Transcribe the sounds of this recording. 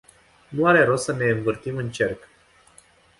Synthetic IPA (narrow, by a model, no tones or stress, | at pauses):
nuaɾe̞ɾosəne̞ɨɱvɨrt̪imɨnt͡ʃe̞rk